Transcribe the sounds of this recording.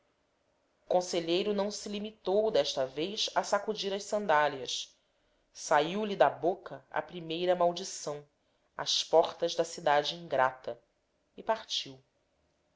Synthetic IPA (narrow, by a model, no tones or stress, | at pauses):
ukõseʎejɾʊnɐ̃w̃silimit̪owd̪ɛʃt̪ɐvejʃɐsakud͡ʒiɾɐʃsɐ̃nd̪aliɐs | saiwlid̪ɐbokɐɐ̰pɾimejɾɐmawd͡ʒisɐ̃w̃ | ɐ̰spɔχt̪ɐʒd̪ɐsid̪ad͡ʒɪĩŋɡɾat̪ɐ | ipaɾt͡ʃiw